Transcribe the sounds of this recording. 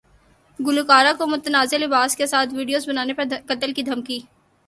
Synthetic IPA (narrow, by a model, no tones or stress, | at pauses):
ɡʊlukaːɾakomʊt̪ənaːzelɪbaːskesaːt̪ʰʋiːɖijoːzbɐnaːnepɐɾkɐt̪əlkid̪ʱɐmkiː